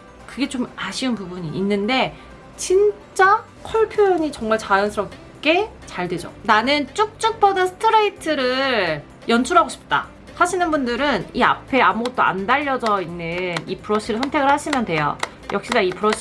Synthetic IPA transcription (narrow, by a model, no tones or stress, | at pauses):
kɯɡe̞t͡ɕomaɕʰiɯnpubuɲiːnːɯnde̞ | t͡ɕin | t͡ɕ͈a | kʰʌɭpʰjoɲit͡ɕʌŋmaɭt͡ɕajʌnsʰɯɾʌp̚ | k͈e̞ | t͡ɕaɭdwe̞d͡ʑo̰nanɯnt͡ɕ͈uk̚t͡ɕ͈uk̚p͈ʌdasʰɯ̥tʰɯɾeitʰɯɾɯɭ | jʌnt͡ɕʰuɾɦaɡoɕʰi̥p̚t͈a̰ | saɕʰinɯnbundɯɾɯnia̰pʰe̞amuɡʌt̚t͈oa̰ndaʎːʌd͡ʑʌinːɯnipʰuɾʌɕ͈ʰiɾɯɭsʰʌntʰe̞ɡɯɭhaɕʰimjʌndwe̞jo̰ | jʌkɕ͈idaipʰuɾʌɕʰ